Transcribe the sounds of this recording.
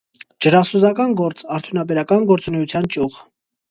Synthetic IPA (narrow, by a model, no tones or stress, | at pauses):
d͡ʒəɾɑsuzɑkɑnɡɔɾt͡sʼɑɾt̪ʰjunɑbɛɾɑkɑnɡɔɾt͡sunɛjut͡sʰjɑnt͡ʃʼuʁ